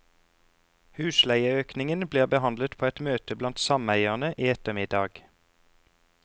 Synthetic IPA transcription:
hʉːslæɪəøːknɪŋənbliːʁbəhɑnd̪lət̪pʰoːɛt̪møːt̪əblɑnt̪sɑmæɪəʁnəʔiːɛt̪əmɪd̪ɑːɡ̥

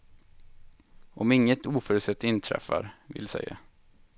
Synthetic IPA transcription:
ʔɔmɪŋːət̪uːfœːɾʉt̪sɛt̪ːɪnt̪ʰɾɛ̰fːa̰ɾvɪlsɛ̰jːa

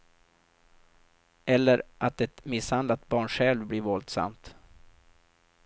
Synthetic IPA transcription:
ɛlːəɾʔat̪ɛt̪mɪshand̪lat̪̚bɑːɳɧɛlvbliɾvɔld̪sa̰mt̪

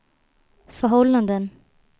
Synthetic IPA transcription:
fœɾɦɔlːand̪ən

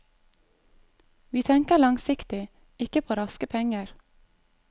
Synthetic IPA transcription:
ʋiːt̪ʰɛŋkəlɑŋsɪkt̪ɪ | ɪkəpʰoːɾɑskəpʰɛŋəɾ

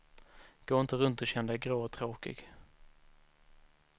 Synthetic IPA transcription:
ɡ̥oːɪnt̪əɾɵnt̪ɔɕɛnd̪ɛɡɾoːɔt̪ʰɾoːkɪ̰ɡ

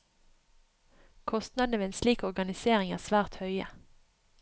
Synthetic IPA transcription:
kʰɔst̪nɑd̪n̩əʋeːeːnsliːkɔʁɡɑnɪseːʁɪŋæ̰ːʁsʋæːʁt̪hœʏə̰

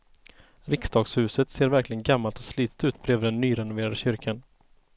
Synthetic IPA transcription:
ɾɪksd̪ɑːɡshʉ̟ːsət̪seːɾvæɾklɪɡənɡamːalt̪ɔsliːt̪ə̥t̪ʉ̟ːt̪̚bɾeːvɖ̪ɛnːyːɾɛnʊveːɾad̪əɕʏɾkʰan

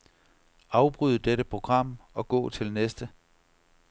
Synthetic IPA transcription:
ɑ̈ʊb̥ʁyðˠəd̥eɾəpʰʁo̝ɡ̥ʁɑ̈m̰ɒ̽ɡ̥ɔ̰̽ːt͡sʰe̝lnesd̥ə

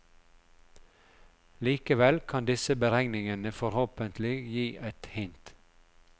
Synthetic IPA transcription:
liːkəʋɛlkʰɑnd̪ɪsəbəɾɛŋnɪŋənəfɔɾhoːpənt̪ʰlɪjiːʔɛt̪hɪnt̪

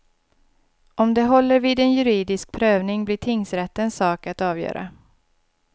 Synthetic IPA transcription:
ʔɔmd̪ɛɦɔlːəɾviːd̪ɛnjɵɾiːd̪ɪsk̚pʰɾøːvnɪŋblɪʈʰɪŋːsɾɛt̪ːənsɑːkat̪ɑːvjœ̰ːɾa̰

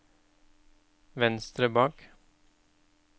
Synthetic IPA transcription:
vɛnst̪ɾəbɑːk

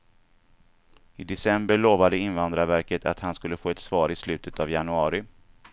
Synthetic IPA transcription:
ɪd̪ɛsɛmbəɭoːvad̪əɪnvand̪ɾavæɾkət̪ʰa̰t̪hanskɵlːəfoːɛt̪sv̥ɑːɾɪslʉ̟ːt̪ʰət̪avjanɵɑːɾɪ

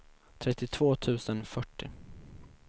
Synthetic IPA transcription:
t̪ʰɾɛt̪ːɪt̪ʰv̥oːt̪ʰʉ̟ːsənfœʈːɪ

